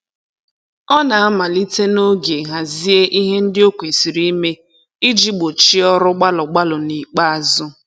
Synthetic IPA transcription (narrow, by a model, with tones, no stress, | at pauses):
ɔ˦na˨a˦ma˨li˦te˦no˦ɡe˨ɦa˨zi˦e˦ʔi˦ɦe˦n̩˦dɪ˦o˦kʷe˨si˨ɾi˦me˦ | i˦d͡ʒi˦ɡ͡bo˨t͡ʃi˦ɔ˦ɾʊ˦ɡ͡ba˦lʊ˨ɡ͡ba˦lʊ˨ni˨k͡pa˦a˨zʊ˦